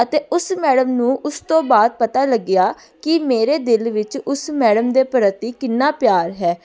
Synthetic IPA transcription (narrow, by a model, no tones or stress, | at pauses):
ət̪eːʊsmɛːɽəmnũːʔʊst̪õːbaːd̪̚pət̪aːləɡɪjaː | kɪmeːɾeːd̪ɪlʋɪt͡ʃʊsmɛːɽəmd̪eːpəɾət̪ːiːkɪnːaːpjaːɾɦɛː